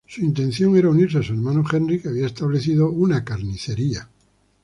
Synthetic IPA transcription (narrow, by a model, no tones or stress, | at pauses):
suint̪e̞nθjo̞ŋeɾauniɾseasueɾmãnoxendrikeaβiaest̪aβle̞θiðounakaɾniθe̞ɾia